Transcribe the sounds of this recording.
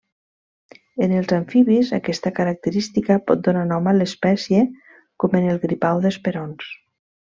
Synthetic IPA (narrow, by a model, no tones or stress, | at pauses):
enəlˠzaɱfiβiza̰kɛst̪akəɾak̚t̪əɾist̪ikapɔt̪̚d̪onanɔmalespɛsje | kɔmenelˠɣɾipawðespeɾons